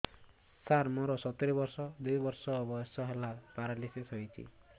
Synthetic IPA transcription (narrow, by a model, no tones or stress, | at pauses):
saɾmoɾɔsɔt̪eɾibɔɾsɔd̪ujbɔɾsɔːbɔjɔsɔɦelapaɾalisesɦojt͡ʃʰḭ